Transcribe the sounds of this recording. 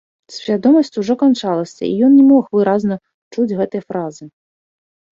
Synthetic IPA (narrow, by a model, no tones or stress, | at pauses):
sʲvʲad̪ɔmɐsʲt͡sʲuʐɔkant͡ʂalˠɐsʲɐ̰ijɔnnʲɛmɔxvɨɾaznɐ | t͡ʂud͡zʲɣɛt̪ɨjɐfɾazɨ